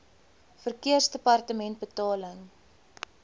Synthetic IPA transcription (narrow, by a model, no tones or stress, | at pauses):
fərkiərsdəpɐrtəmɛnt̚bətɑːləŋ